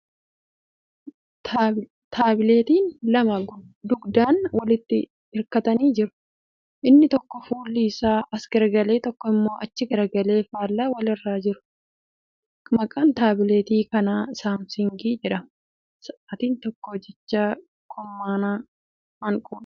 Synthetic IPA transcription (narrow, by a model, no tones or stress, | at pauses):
t̪ː | t̪ʰaːbɪleːt̪iːnlɐmɐd̪ʊɡd̪aːnwɐlɪt̪ːɪ | ɪɾkɐt̪ɐniːd͡ʒɪɾʊ̥ | ʔɪnːɪt̪ɔkːɔfuːlːiːsaːʔɐsɡɐɾɐɡɐleːt̪ɔkːɔɪmːo̞ːʔɐt͡ʃːɪɡɐɾɐɡɐle̞ːfaːlːaːwɐlɪrːaːd͡ʒɪɾʊ̥ | mɐkʼɐnt̪aːbɪle̞ːt̪iːkɐnaːɪsaːmsɪŋɡiːd͡ʒɛᶑɐ | sɐt̪iːnt̪ɔkːɔd͡ʒɛt͡ʃːaː | kʰɔmːaːnaː | mɐŋkʼʊːn